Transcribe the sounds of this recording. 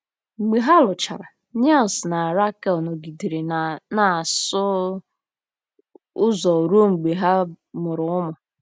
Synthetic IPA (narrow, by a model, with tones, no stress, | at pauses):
ŋ͡m̩˨ɡ͡be˨ɦa˦lʊ˨t͡ʃa̰˨ɾa˨ | ɲ˦a˦˨lsna˨ɾa˦kɛ˦˨lno˨ɡi˨di˨ɾe˨na˨sʊ˦ | ʊ˦zɔ˨ɾo˦ŋ͡m̩˨ɡ͡be˨ɦa˦ | mʊ˨ɾʊ˨ʊ˦mʊ˨